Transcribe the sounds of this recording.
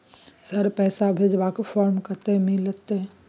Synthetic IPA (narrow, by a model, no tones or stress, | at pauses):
səɾpɛːsabʱed͡ʒbakfʰɔːɾmkəɾt̪eɦmɪlət̪e